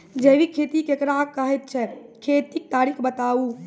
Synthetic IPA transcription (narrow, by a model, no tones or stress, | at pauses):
d͡ʒebikʰet̪ikekɾakːəɦɛt̪̚t͡ʃʰɛkʰet̪ik̚t̪aɾikbət̪au